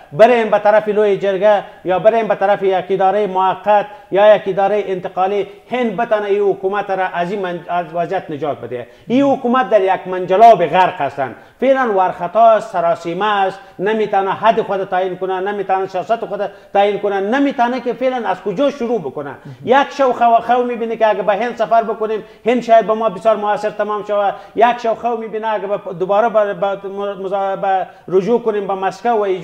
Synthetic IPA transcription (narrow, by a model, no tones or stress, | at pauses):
bɪɾembat̪aɾafilojed͡ʒɪɾɡajɑbɪɾembat̪aɾafijakid̪ɑɾajmʊhaqːat̪jɑjakɪd̪ɑɾajʔɪnt̪ɪqɑːlihend̪̚bɪt̪ɑnaihukumat̪ɾaʔazimazwazjat̪nɪd͡ʒɑt̪̚bɪd̪ea̰ | ihukumat̪̚d̪aɾjakmand͡ʒalɑbeɣaɾqast̪a̰n | felanwaɾxat̪ɑssaɾɑsimast̪namet̪ɑnaɦad̪ixʊd̪at̪ainkʊnanamet̪ɑnasijɑsat̪ixʊd̪a | t̪ainkʊnanamit̪ɑnakefelanazkʊd͡ʒɑʃʊɾubʊkʊna̰jakʃawxawxawmibinikeaɡabɐɦɪnd̪safaɾbəkʊnem | hɪnd̪ʃɑːjad̪̚bɐmɑbɪsjɑːɾmʊasɪɾt̪amɑmʃawajakʃawxawmibinaːɡabad̪ʊbɑːɾabbmzba | ɾʊd͡ʒukʊnembɐmaskawːa